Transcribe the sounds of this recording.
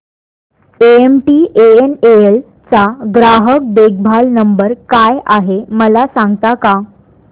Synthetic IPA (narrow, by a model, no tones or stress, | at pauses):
eemʈiʔeeneel | t͡saɡɾaɦək̚d̪eɡ̚bʱalnəmbəɾkajʔaɦeməlasãŋɡt̪aka